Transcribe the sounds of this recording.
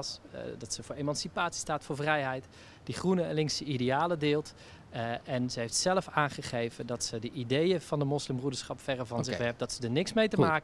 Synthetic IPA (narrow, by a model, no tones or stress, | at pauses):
sdɑtsəvʊːɹemɑnsipaːtsi̥staːtfʊːɹvrɛjɦɛjt | diχrunəɛnlɪŋksəidejaːlədɪːlˠt | ɛnzəɦejftsɛləfaːnχəχejvəndɑtsədəʔidejəv̥ɑndəmɔslɪmbrudəɹsχɑpfɛrəvɑnnzɪχʋɛp̚dɑtsədəɹnɪksmejtəmaːk